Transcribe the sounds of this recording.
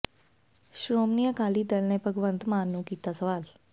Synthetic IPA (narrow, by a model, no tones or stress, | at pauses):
ʃɾoːmnijakaːliːd̪əlnẽːpəɡʋə̃nt̪maːnːũːkiːt̪aːsəʋaːl